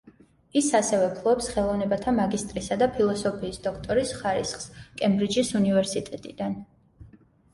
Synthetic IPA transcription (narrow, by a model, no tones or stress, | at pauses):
isasɛvɛpʰlˠɔɛpsχɛlˠɔvnɛbat̪ʰamaɡist̪ʼɾisad̪apʰilˠɔsɔpʰiːsd̪ɔkʰt̪ʼɔɾisχaɾḭsχskʼɛmbɾid͡ʒisunivɛɾsit̪ʼɛt̪ʼid̪an